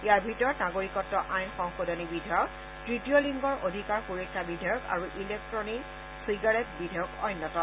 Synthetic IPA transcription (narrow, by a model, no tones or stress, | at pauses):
ijaɹbʱitɔɹɔtnaɡoɹikɔtːɔʔajnxɔŋxodʱɔnibidʱajɔk | tɹitijoliŋɡɔɹʔodʱikaɹxuɹɔkʰːabidʱajɔka̰ɹuʔilek̚tɹɔnik | siɡaɹɛtbidʱajɔkɔjnːɔtɔ